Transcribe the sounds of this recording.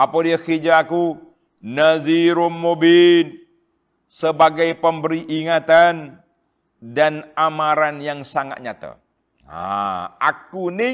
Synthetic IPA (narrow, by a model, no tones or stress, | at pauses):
ʔapodiakid͡ʒaːku | naziɾumːobin | səbaɡajpəmbəɾiʔːŋat̪an | danamaɾanjaŋsaŋa̰t̪̚ɲat̪a̰ | a̰a̰kunɪ